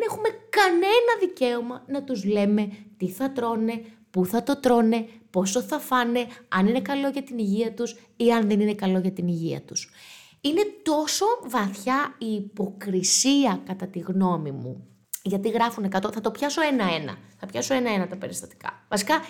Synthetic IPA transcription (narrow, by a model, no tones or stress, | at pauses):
ene̞xume̞kɐne̞nɐðice̞omɐnɐt̪uzle̞me̞t̪iθɐt̪ɾo̞ne̞ | puθɐt̪o̞t̪ɾo̞ne̞po̞st̪oθɐfɐne̞ɐ̰nine̞kɐlo̞ʝɐt̪iniʝiɐt̪us | iɐnðe̞nine̞kɐlo̞ʝɐt̪iniʝiɐ̰t̪us | ine̞t̪o̞so̞vɐθçɐiːpo̞kɾisiɐkɐt̪ɐt̪iɣno̞mimṵ | ʝɐt̪iɣɾɐfune̞kɐt̪oθɐt̪o̞pçɐso̞e̞nɐe̞nɐ̰θɐpçɐso̞enɐe̞nɐt̪ɐpe̞ɾist̪ɐt̪i̥kɐ̰vɐsi̥kɐ